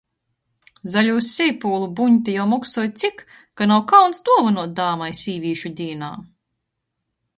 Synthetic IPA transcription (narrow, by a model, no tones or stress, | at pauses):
zalʲuːsʲːɛjpuːlˠubuɲʲt̪ʲijawmɔksuɔjt̪sik | kanawkawnsd̪uɔvanuɔt̪̚d̪aːmajsʲiːvʲiːʃud̪ʲiɛna̰ː